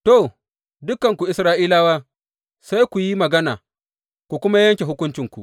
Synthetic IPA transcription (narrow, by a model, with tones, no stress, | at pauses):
to˦˨ | dʊ˦kɐ˨ŋkʷu˨ʔɪ˨sɾaː˦ʔiː˦laː˦waː˦ | sa˦jkʷu˨ji˦mɐ˨ɡɐ˦na̰ː˨ | kʷu˨kʷʊ˦ma˦jɐ˦ŋkʲe˨ɦʊ˦kʷʊ˦nt͡ʃɪ˨ŋkʷṵ˨ʔ